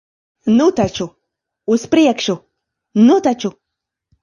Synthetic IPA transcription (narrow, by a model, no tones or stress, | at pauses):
nʊt̪at͡ʃʊ | ʊspɾɪjakʃʊ | nʊt̪at͡ʃʊ